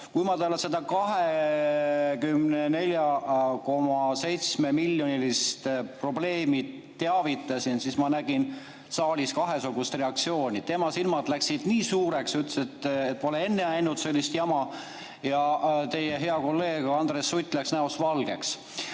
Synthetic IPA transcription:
kujmɑt̪eolese̞d̪̥ɑkɑɦe | kymnene̞lʲjɑko̞mɑse̞jt̪sme̞miljo̞nʲilist̪pro̞ble̞ːmi̥ | t̪ːe̞ɑvit̪ːˑɑsinsismɑnæɡ̥in | sɑːlʲiskɑɦe̞suɡ̥ust̪re̞ɑk̚t̪sio̞ːnʲit̪e̞mɑsilmɑd̪læksid̪̥niːsuːɾe̞ksyt̪ːse̞t̪ːet̪̚ːpolee̞nːeæjnut̪se̞lʲːist̪jɑmɑ | jɑt̪e̞jeɦe̞ɑko̞lːe̞ːɡ̥ɑnd̪̥resːujt̪ʲːˑlæksnæosvɑlɡ̥e̞̰ks

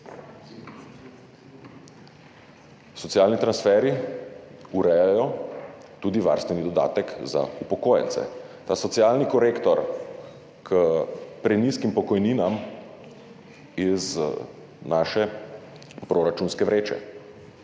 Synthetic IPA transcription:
sɔt̪sijaːlnit̪ɾansfɛːɾi | uɾɛjajɔt̪uːd̪iʋa̰ːɾst̪ʋɛnid̪ɔd̪a̰ːt̪ɛkza̰upɔkoːjɛ̰nt̪sɛ̰ | t̪aːsɔt̪sijaːlnikɔɾeːkt̪ɔɾ | kʰəpɾɛniskimpɔkɔjniːnam | iz | naːʃɛ | pɾoɾat͡ʃunskɛʋɾeːt͡ʃɛ̰

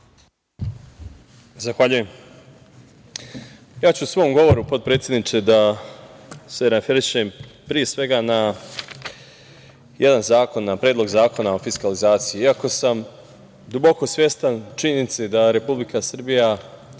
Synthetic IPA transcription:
zaxʋaʎuje̞m | jaːt͡ɕuːsʋo̞ːmɡo̞ʋo̞ɾupo̞t̪̚pɾeːt̪sʲjed̪nit͡ʃ̪ed̪a | se̞ɾafeɾiʃe̞mpɾije̞sʋe̞ɡana | jʔed̪anzaːko̞nːapɾeːd̪lˠo̞ɡzaːko̞nao̞fiskalizaːt̪sijiiako̞sam | d̪ubo̞ko̞sʋje̞st̪ant͡ʃiɲenit̪sed̪aɾe̞publikasɨr̩bija

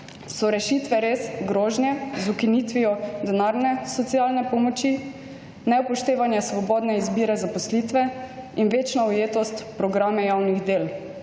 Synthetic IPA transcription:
sɔɾɛʃit̪ʋɛɾesɡɾɔːʒnjɛzukinit̪ʋiɔd̪ɛnaɾnɛsɔt̪sijaːlnɛpɔmɔt͡ʃi | nɛwpɔʃt̪eːʋanjasʋɔbɔːd̪nɛizbiːɾɛzapɔslit̪ʋɛinʋeːt͡ʃnaujeːt̪ɔst̪pɾɔɡɾaːmɛjawniɣd̪eːl

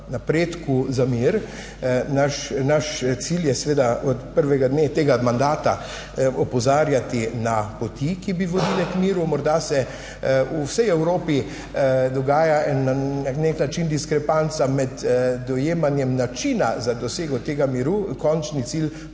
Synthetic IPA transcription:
napɾeːt̪kuzamiɾ | naʃnaʃt̪siljɛsɛʋeːd̪aɔt̪pəɾʋɛɡad̪net̪eːɡamand̪aːt̪a | ɔpɔzaːɾjat̪inapɔt̪ikibiʋɔd̪ilɛkmiːɾumɔɾd̪asɛ | usɛjɛwɾoːpi | d̪ɔɡaːjaɛnːaɛkneknat͡ʃind̪iskɾɛpant̪samɛd̪ːɔjeːmanjɛmnat͡ʃina̰zad̪ɔseːɡɔt̪eːɡamiɾukɔnt͡ʃnit̪sil

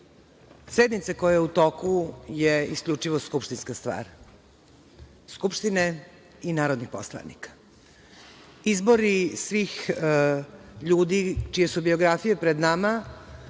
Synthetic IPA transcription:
sed̪nit̪sakojajeut̪o̞kujeiskʎʲut͡ʂiʋoskupʃt̪inskast̪ʋa̰ːɾ | skupʃt̪ine | inaːɾod̪nixpo̰slˠa̰nḭkḁ | izbo̞ɾisʋiːx | ʎuːd̪it͡ʃijesubio̞ɡɾafijepɾed̪nama

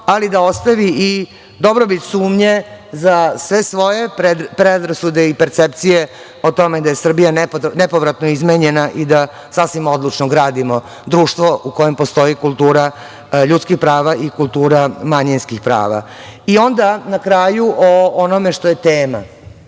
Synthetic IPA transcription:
alid̪ao̞st̪aʋii | d̪o̞bɾobit̪suːmɲe̞zasʋe̞sʋo̞jepɾed̪pɾed̪ɾasud̪eipeɾt̪sep̚t̪sije | ot̪o̞med̪ajesr̩bijaneponepoʋɾat̪noizmeɲenaʔid̪a | sasʋimo̞d̪lˠut͡ʂnoɡɾaːd̪imo̞ | d̪ɾuːʂt̪ʋo̞uko̞je̞mpost̪o̞ikulˠt̪uːɾa | ʎut̪skixpɾaːʋaʔikulˠt̪uːɾamaɲinskixpɾa̰ːʋa̰ | io̞nd̪anakɾaːjuʔoonomeʂt̪o̞jet̪eːma̰

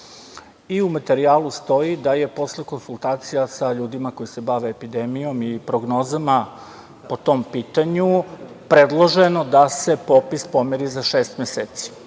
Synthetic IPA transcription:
iumat̪e̞ɾiaːlust̪o̞jid̪aje̞po̞sleko̞nsulˠt̪aːt̪sijasaʎuːd̪imako̞jise̞baʋe̞ːpid̪emijo̞mipɾoɡno̞ːzama | po̞t̪o̞mpit̪aɲu | pɾe̞d̪lˠoʒenod̪ase̞po̞pispo̞meɾizaʃeːst̪mjeseːt̪si̥

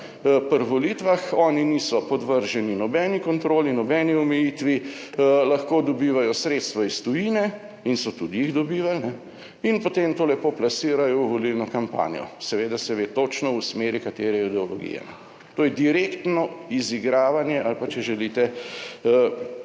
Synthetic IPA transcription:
pɾʋolit̪ʋaxɔːniniːsɔpɔd̪ʋəɾʒɛninɔbɛːnikɔnt̪ɾoːlinɔbɛniɔmɛjit̪ʋilɐxkoːd̪ɔbiːʋajɔsɾeːt̪st̪ʋaist̪ujiːnɛ | insɔt̪ud̪ijiɣd̪ɔbiːʋalnɛ | inpot̪emt̪oːlɛpoplasiːɾajɔwʋolilnɔkampa̰ːnijɔ̰sɛʋeːd̪asɛʋeːt̪ot͡ʃnɔusmeːɾikat̪eːɾɛid̪ɛɔlɔɡḭjɛ̰nɛ̰ | t̪oːjɛd̪iɾeːkt̪nɔiziɡɾaːʋanjɛʔalpat͡ʃɛʒɛlit̪ɛ

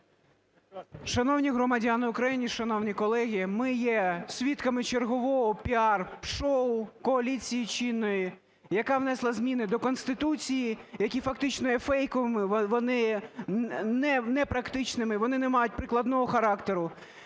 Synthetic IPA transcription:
ʃɐnɔwnʲiɦɾɔmɐdʲanɪʊkɾɐjinʲiʃɐnɔwnʲikɔlˠɛɦʲimɪjɛsʲʋʲit̪kɐmɪt͡ʃerɦɔʋɔɦɔpʲiɑrʃɔʊkɔɐlʲit͡sʲijit͡ʃinːɔji | jɐkɑʋnɛslˠɐzʲmʲinɪd̪ɔkɔnst̪ɪt̪ut͡sʲijijɐkʲifɐk̚t̪ɪt͡ʃnɔjɛfɛjkɔʋɪmɪʋɔnɪ | nɛnɛpɾɐkt̪ɪt͡ʃnɪmɪʋɔnɪnɛmɑjʊt̚ʲpɾɪklˠɐd̪nɔɦɔxɐɾɑkt̪eɾʊ

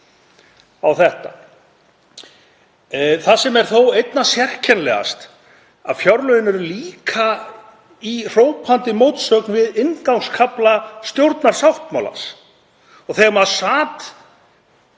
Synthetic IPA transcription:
awθɛht̪a | θasɛmɛɾ̥θowejt̪nasjɛr̥cʰɛnlɛ̰ɣa̰st̪ | a̰ðfjaɾlœðɪnɛɾʏliːkʰa | ir̥oːwt̪̚pʰant̪ɪmoːwt̪sœːknvɪðɪnkawŋskʰaplast̪jowɾt̪naɾ̥sawht̪mawla̰s | ɔɣθɛɣmaðsaːt̪

